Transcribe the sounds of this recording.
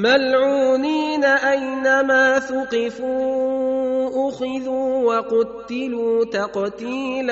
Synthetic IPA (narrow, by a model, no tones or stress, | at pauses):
malʕuːniːnaʔajnamaːθʊqɪfuː | ʔʊxɪðuːwɑqʊt̪ːɪluːt̪aqt̪iːl